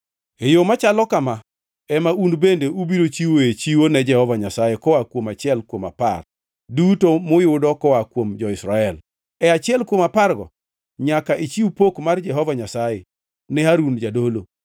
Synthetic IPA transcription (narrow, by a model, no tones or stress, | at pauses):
ejomat͡ʃalɔkama | ɛmaunbendeubiɾot͡ʃiwoet͡ʃiwonɛd͡ʒɛhɔvaɲasajekɔwakwomat͡ʃɪɛlkwoma̰pa̰r | dutomʊjʊdɔkɔwakwomd͡ʒɔɪsɾaɛl | ɛat͡ʃɪɛlkwomaparɡɔ̰ | ɲakaʔet͡ʃiupokmard͡ʒɛɦɔvaɲasajḛ | nɛaɾund͡ʒadolo